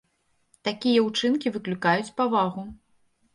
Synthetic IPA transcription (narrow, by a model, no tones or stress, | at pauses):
t̪akʲijɐut͡ʂɨnkʲivɨklʲukajut͡sʲpavaɣu